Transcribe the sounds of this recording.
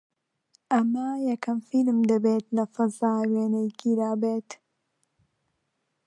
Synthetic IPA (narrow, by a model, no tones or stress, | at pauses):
ʔɐmɐjɛkɐmfilmd̪ɐbeːt̪lɐfɐzaːweːnejkʰid̪aːbeːt̪